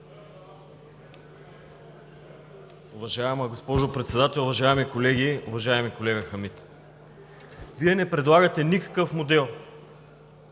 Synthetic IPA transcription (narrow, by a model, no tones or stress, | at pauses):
ʊvɐʒaɛməɡospɔʒopɾɛt̪sɛd̪at̪ɛlˠʊvɐʒaɛmikolɛɡiʊvɐʒaɛmikolɛɡəxɐmit̪ | viɛnɛpɾɛd̪lˠaɣət̪ɛnikə̥kɤfmod̪ɛlˠ